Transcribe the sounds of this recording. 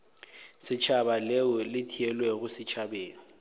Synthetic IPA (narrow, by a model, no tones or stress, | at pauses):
sɪt͡ʃʰabaleʊlɪtʰiɛlwɛɣʊsɪt͡ʃʰabeːŋ̩